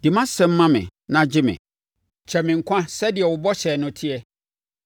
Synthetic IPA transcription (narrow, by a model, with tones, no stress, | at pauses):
d̥ɪ˨mã˦sɛ̃˦m̩ː˦ã˦mɪ̰̃˨nã˦d͡ʑɪ˦mɪ̰̃˨ | t͡ɕʰɛ˨mɪ̃˨ŋ̩˨kʷʰã˦sɛ˦dɪ˨ɛ˨wʊ˨bɔ˦ɕɛː˨nʊ̃˦tʰɪ˦ɛ˦